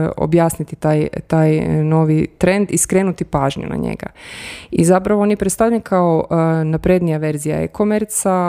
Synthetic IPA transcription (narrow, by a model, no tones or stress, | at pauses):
o̰bjaːsnit̪it̪aːjt̪aːjno̞ʋit̪ɾe̞nd̪iskɾe̞ːnut̪ipaːʒɲṵna̰ɲḛɡa̰izapɾaʋoonjepɾest̪avʎakʰaonapɾed̪nijaʋe̞ɾzija̰ḛkomeɾt̪sa